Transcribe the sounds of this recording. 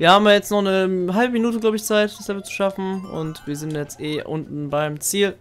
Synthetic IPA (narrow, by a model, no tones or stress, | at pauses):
viːɐhaːm̩iɐjɛt͡stnɔχnəɦalbəminuːt̬əɡlaʊbəɪçt͡saɪtd̥ḁsɛbət͡su̥ʃafn̩ʊ̰ntviːɐzɪntjɛt͡stʔeːʔʊntn̩baɪmt͡siːl